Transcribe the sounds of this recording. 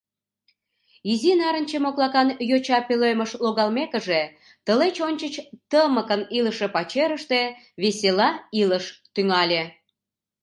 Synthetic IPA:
izinɑɾənʲt͡ɕemoklˠɑkɑnjot͡ɕɑpeløjməʃloɣɑlmekəʒe | t̪əlet͡ɕonʲt͡ɕət͡ɕt̪əməkəniləʃepɑt͡ɕeɾəʃt̪e | βeselɑiləʃt̪yŋɑlʲe

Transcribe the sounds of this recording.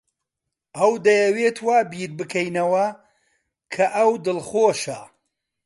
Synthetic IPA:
ʔɐwd̪ɐjɐweːt̪ʰwaːbiːɾbɨkʰɐjnɐwɐ | kʰɐʔɐwd̪ɨlˠχoːʃɐ

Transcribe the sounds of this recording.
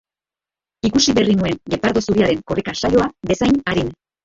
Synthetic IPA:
ikusiβe̞rinue̞ŋɡe̞paɾðo̞suɾiaɾe̞ŋko̞rikasajo̞abe̞sajnaɾin

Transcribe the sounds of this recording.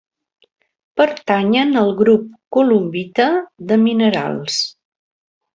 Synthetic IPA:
pəɾt̪aɲənəlˠɣɾup̚kulumbit̪əðəminəɾa̰lˠs

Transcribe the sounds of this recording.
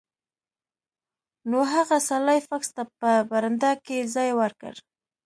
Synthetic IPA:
noɦaɣasalajfakst̪apəbaɾand̪ɑkezɑjwaɾkə̰ɾ

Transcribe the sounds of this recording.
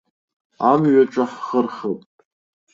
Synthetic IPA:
amɥaʈ͡ʂʷʼaħχərχəpʼtʼ

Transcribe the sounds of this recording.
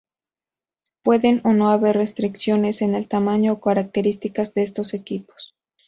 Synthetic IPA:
pwe̞ðe̞no̞no̞aβe̞rre̞st̪ɾiksjo̞ne̞se̞ne̞lt̪amãɲo̞ːkaɾak̚t̪e̞ɾist̪ikazðe̞es̬t̪o̞se̞kipo̥s

